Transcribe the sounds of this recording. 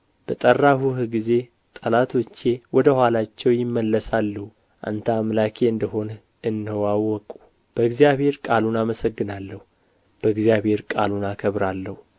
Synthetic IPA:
b̥ət̪ʼərːahuhɡize̞ | t̪ʼəlat̪ʰwɔt͡ʃːe̞wɔd̪əhʷalat͡ʃːɛwjɪmːəlːəsalːuhu | ʔa̰nt̪ʰamlakʰeɨnd̪əɦo̞n | ɨnːəwawːɔkʼu | b̥əɨɡzijaβhe̞ɾkʼalunaməsəɡːɨnalːəhu | b̥əɨɡzjaβhe̞ɾkʼalunakʰəβɾalːəhu

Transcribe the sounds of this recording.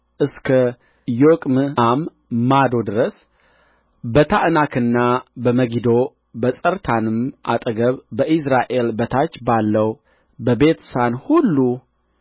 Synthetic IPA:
ʔɨskʰə | jokʼmɨamː | ad̪o̞d̪ɨɾəs | bət̪ʰaʔnakʰɨnːabəməɡid̪o̞ | bəsʼəɾt̪ʰanɨmʔa̰t̪ʼəɡəβbəʔis̬ɾaʔe̞lbət̪ʰat͡ʃːbalːəw | bəbe̞t̪sanhulːu

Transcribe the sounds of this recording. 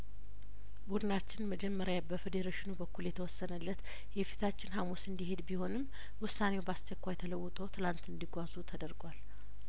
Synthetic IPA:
bud̪ɨnat͡ʃːɪnməd͡ʒɛmːəɾjabəfed̪əɾeʃɪnubəkːuljɛt̪ʰəwɔsːənəlːət̪ | jɛfi̥t̪ʰat͡ʃːɪnɦamusɨnd̪iɦe̞d̪biho̞nɨm | wʊsːanewbast͡ʃɛkʷːajt̪ʰələwːʊt̪ʼəwt̪ʰɨlant̪ɨnd̪iɡʷazut̪ʰəd̪əɾɡwal

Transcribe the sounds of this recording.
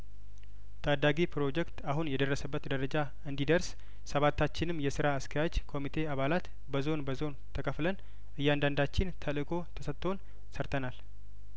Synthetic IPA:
t̪ʰʼad̪aɡipʰɾo̞d͡ʒɛkt̪aɦunjɛd̪ərːəsəbːət̪d̪əɾəd͡ʒa | ɨnd̪id̪əɾs | səβat̪ʰːat͡ʃːɪnɨmːjɛsɨɾaːskʰəjad͡ʒkʰo̞mit̪ʰe̞aβalat̪ | bəzo̞nbəzo̞nt̪ʰəkʼəflən | ʔɨjːand̪and̪at͡ʃːɪnt̪ʰəlɨkʰʼo̞t̪ʰəsət̪ʰːo̞n | səɾt̪ʰənal

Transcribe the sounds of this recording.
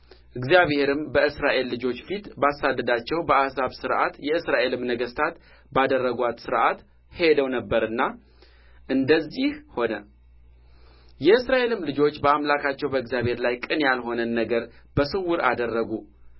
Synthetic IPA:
ʔɨɡzijaβhe̞ɾɨmbəɨsɾaʔe̞lːɨd͡ʒo̞t͡ʃːfit̪basad̪ːəd̪at͡ʃːɛwbəʔasaβsɨɾʔa̰t̪jɛɨsɾaʔe̞lɨmnəɡəst̪ʰat̪ | bad̪ərːəɡʷat̪sɨɾʔat̪ | he̞d̪əwnəbːəɾɨnːa | ʔɨnd̪əzːihho̞nə | jɛɨsɾaʔe̞lɨmlɨd͡ʒo̞t͡ʃːbəamlakʰat͡ʃːɛwbəɨɡzjaβhe̞ɾlajkʼɨnjalɦo̞nənːəɡəɾ | bəsɨwʊɾa̰d̪ərːəɡu

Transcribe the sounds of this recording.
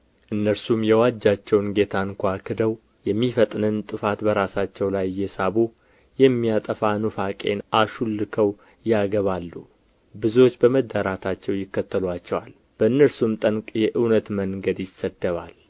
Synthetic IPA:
ʔɨnːəɾsumjɛwad͡ʒːat͡ʃːɛwnɡe̞t̪ʰaŋkʷakʰɨd̪əw | jɛmːifət̪ʼnɨnt̪ʼɨfat̪bəɾasat͡ʃːɛwlajːɛsaβu | jɛmːijat̪ʼəfanufakʼe̞̰nʔaʃulːɨkʰəw | jaɡəβalːu | bɨzuwo̞t͡ʃːbəməd̪ːaɾat̪ʰat͡ʃːɛwjɪkːət̪ʰːəlat͡ʃːɛwal | b̥əɨnːəɾsumt̪ʼəŋkʼjɛʔɨwnət̪məŋɡəd̪jɪsːəd̪ːəβa̰l

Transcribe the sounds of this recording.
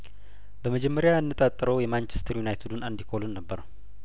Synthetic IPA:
bəməd͡ʒɛmːəɾjaɨnːɨt̪ʼat̪ʼːɨɾəwjɛmant͡ʃɛ̥st̪ʰɾjunajt̪ʰud̪unɨnd̪ikʰolunːəbːəɾ

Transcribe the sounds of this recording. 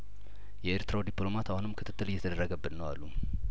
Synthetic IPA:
jɛeɾt̪ɾad̪iplo̞mat̪ahonɨmkʰɨt̪ʰɨ̥t̪ːɨlɨjːɛt̪ʰəd̪ərːəɡəbːɨnnəwa̰lːu

